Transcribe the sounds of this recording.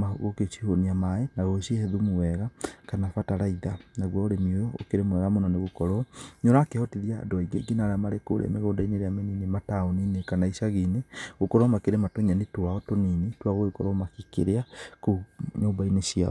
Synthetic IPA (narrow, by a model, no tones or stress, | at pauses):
maoɣoket͡ʃihoniamaenaɣoʃiehɛðumuwɛɣakanafataɾaiðanaɣwaoɾemiojɔo̰keɾemwɛɣamonɔneɣokɔɾɔɲɔɾakehɔtiðia̰doaiɡeɡinaɾamaɾeko̰ɾḛmeɣoːndaineɾeameninimataoninekanaiʃaɣineɣokɔɾɔmakeɾematoɲanitwaɣɔtoninitwaɣoekɔɾɔmakikḛɾeakoɲombainesia̰ɔ